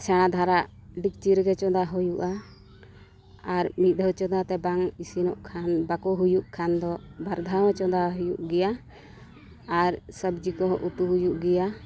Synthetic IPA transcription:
t͡ʃʰɛɽ̃ad̪ʱaɾaʔɖik̚t͡ʃiɾɡɛt͡ʃɔd̪aɦujuʔa | ɾmit̪̚ˀd̪ʱət͡ʃɔd̪at̪ɛbaŋisinɔʔkʰanbakɔɦujuʔkʰand̪ɔbaɾd̪ʱawɛt͡ʃɔd̪aɦujuʔɡɛja | ɾsəbd͡ʒikɔɦɔʔut̪uɦujuʔɡɛja

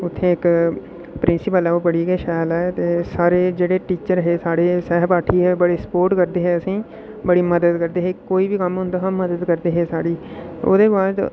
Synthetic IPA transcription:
ʊt̪ʰːẽːɪk | pɾɪ̃nsɪpəlɛːoːbəɽiːɡɛːʃaːjlɛːt̪eːsaːɾeːd͡ʒeːɽeːʈiːt͡ʃəɾɦeːsaːɽeːsɛːɦbaːʈʰiːɦɛːbəɽeːsə̥poːɾʈkəɾd̪eːɦɛːəsĩː | bəɽiːməd̪əd̪kəɾd̪eːɦeːkoːiːbiːkəmɦʊ̃nd̪aːɦəmːəd̪əd̪kəɾd̪eːɦeːsaːɽiːo̰ːd̪eːbaːd̪

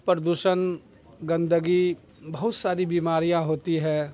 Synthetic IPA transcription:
pɾd̪uʃən | ɡɐ̃nd̪əɡi | bɐɦʊt̪saːɾibiːmaːɾijãɦoːt̪iɦɛ̃ː

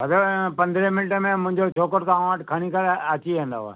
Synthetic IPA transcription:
əd̪opɐ̃nd̪ɾemɪnʈəmẽmʊ̃ɦɪ̃ɲd͡ʑot͡ʃʰoːkəɾt̪ãːəʈkʰəɽ̃ikʰəɾət͡ɕiʋẽːnd̪a̰ːoa̰

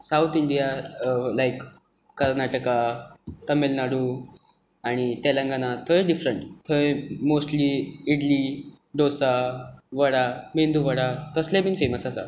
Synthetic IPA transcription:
sawt̪ʰiɳɖijalajkː | əɾnaʈəkat̪əmelnaɽu | aɽ̃it̪elãŋɡanat̪ʰəjɖifɾəɳʈt̪ʰəmosʈliiɽli | ɖosaʋəɽamend̪uʋəɽat̪əslebiːnfeməsasa̰

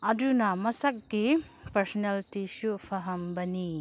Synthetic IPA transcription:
ɐdunɐmɐsɐk̚ɡi | pɐɾsɔneltisupʰɐɦɐmbɐni

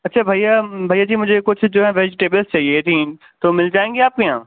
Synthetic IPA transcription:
ɐtːʃʰaːbʱaːjabʱaːjaːd͡ʑiːmʊ̃d͡ʒʱekʊt͡ʃʰʊd͡ʒoːɦɛ̃ʋeːd͡ʒɪʈeːbəlst͡ɕaːɦiet̪ʰĩː | t̪oːmɪld͡ʒaːẽːŋɡeaːp̚keã̰ː

